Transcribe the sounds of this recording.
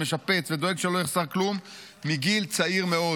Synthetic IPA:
eʃape̞t͡sved̪oe̞ɡʃelo̞jeχsaʁklumː | iɡilt͡saiʁme̞o̞

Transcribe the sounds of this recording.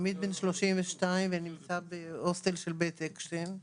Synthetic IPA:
mid̪̚benʃloʃimveʃtaimvenimt͡sabeost̪elʃelbet̪ekʃten

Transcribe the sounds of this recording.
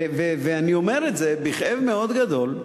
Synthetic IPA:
veveanio̞me̞ʁetzebiχʔevmeo̞d̪ɡad̪o̞l

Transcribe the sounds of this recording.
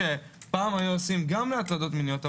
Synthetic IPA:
epaːmajuosimɡamleat̪lad̪o̞t̪minjo̞t̪a

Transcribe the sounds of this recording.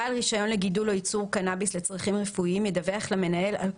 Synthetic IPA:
alʁiʃajo̞nleɡidulojit͡suʁkanabisle̞t͡sʁaχimʁefuiimjedaveaχlame̞nae̞la̰

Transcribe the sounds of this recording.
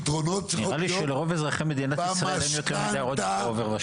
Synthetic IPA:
d̪ʁonotniʁaliʃeleʁo̞vezʁaχemːed̪inatisʁaelemjo̞t̪eʁmidejʁod̪oveʁva

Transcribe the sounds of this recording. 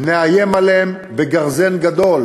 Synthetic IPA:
neajemalm | beɡaʁzenɡad̪o̞l

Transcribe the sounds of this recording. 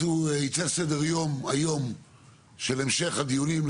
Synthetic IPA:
uit͡sesedeʁjo̞majo̞m | ʃele̞mʃe̞χhad̪ijuniml

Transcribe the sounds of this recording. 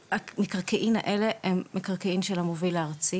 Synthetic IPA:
amekaʁkeʔima̰ʔeleʔemːekaʁkeimʃelamovilaaʁt͡si

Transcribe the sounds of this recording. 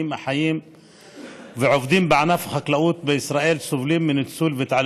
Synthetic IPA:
iːmʔaħajiːm | bɪʕofd̪ˤiːmbaʕanæfxæklæʔuːt̪̚bɪʔɪsɾˤɑːʔiːlsʊbliːmːɪnɪt̪suːlbɪt̪ʕal

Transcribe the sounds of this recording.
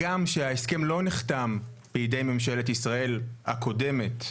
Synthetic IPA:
ɡamʃeaeske̞mlo̞niχtamb̥ejide̞jme̞mʃe̞letisʁaʔe̞lhako̞de̞met

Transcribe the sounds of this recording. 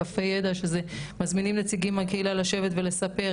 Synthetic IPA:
afejed̪aʃezemazminimnet͡siɡimakeilalaʃe̞vet̪ve̞le̞sape̞

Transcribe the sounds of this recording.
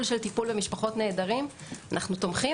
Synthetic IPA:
lʃelt̪ipulbemiʃpaχo̞tne̞ːdaʁimanʔaχnut̪o̞mχi

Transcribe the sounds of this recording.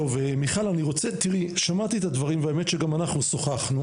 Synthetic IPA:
ovemiχalaniʁo̞t͡set̪iʁiʃamat̪iet̪ad̪vaʁimveaemet̪ʃeɡamanaχnuso̞χaχnu

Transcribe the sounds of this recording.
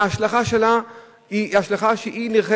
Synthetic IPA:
aʃlaχaʃela | iaʃlaχaʃeʔiniʁχe

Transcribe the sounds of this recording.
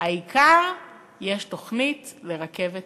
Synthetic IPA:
haikʰaʁ | jeʃto̞χnitleʁake̞vet

